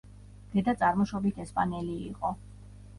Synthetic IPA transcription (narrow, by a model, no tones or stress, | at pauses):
d̪̥ɛd̪at̪sʼaɾmɔʃɔbit̪ʰɛspʼanɛliːqʼɔ